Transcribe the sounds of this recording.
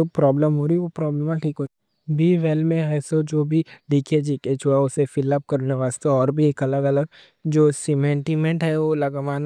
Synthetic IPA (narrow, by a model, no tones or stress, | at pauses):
opɾɔːbləmɦoːɾiʋopɾɔːbləmãʈʰiːkɦoː | biːʋeːlmẽɛːsod͡ʒoːbʱiɖiːkʰed͡ʒiːket͡ʃʰuaʊsefɪləp̚kɐɾneʋaːst̪eɔːɾbʱieːkɐləɡɐləɡ̚ | d͡ʒoːsɪmẽːɳʈimẽɳʈɦɛʋolɐɡʋaːn